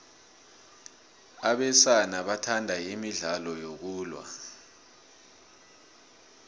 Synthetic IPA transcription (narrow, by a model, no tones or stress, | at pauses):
aɓɛsanaɓatʰandʱaimiɮalɔjok̬uːlwa̰